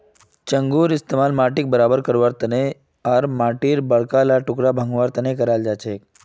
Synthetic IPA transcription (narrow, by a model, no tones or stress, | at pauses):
t͡ʃəŋɡuːɾɪst̪emaːlmaʈik̚bəɾabəɾkəɾʋaɾt̪əne | aɾmaːʈiːɾbəɭkalaʈʊkɾabʱə̃ŋɡʋaɾt̪ənekəɾaːld͡ʒat͡ʃʰek